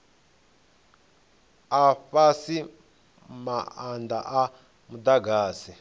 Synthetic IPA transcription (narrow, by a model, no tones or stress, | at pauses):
afasi | maanda̰ʔa | mud̪aɡaːsi